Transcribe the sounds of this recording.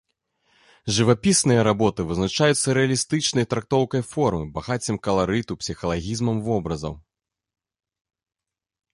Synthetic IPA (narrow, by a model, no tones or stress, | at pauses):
ʐɨvapʲisnɨjɐɾabɔt̪ɨvɨznat͡ʂajut̪sːɐɾɛɐlʲist̪ɨt͡ʂnɐjt̪ɾak̚t̪ɔwkɐjfɔrmɨbaɣat͡sʲɐmkɐlˠaɾɨt̪upsʲixɐlˠaɣʲizmɐmvɔbɾɐzɐ̰w